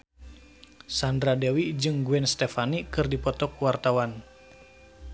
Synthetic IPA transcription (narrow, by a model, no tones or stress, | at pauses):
sandɾadewid͡ʒɨŋɡuɛnst̪ɛfanikɨrdipɔt̪ɔkwart̪awan